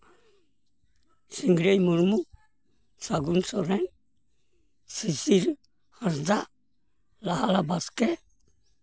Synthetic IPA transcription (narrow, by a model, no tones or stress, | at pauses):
siŋɡɾejmuɾmu | saɡunsɔɾɛn | sisiɾ | haɾda | lahalabaskɛ